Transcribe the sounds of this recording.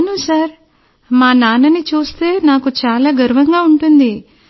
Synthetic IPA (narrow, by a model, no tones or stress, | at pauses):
nusaɾ | maːnaːnɐnit͡ʃuːst̪e̞ːnaːkut͡ʃaːlaːɡɐɾuʋɐŋɡaːuɳʈund̪i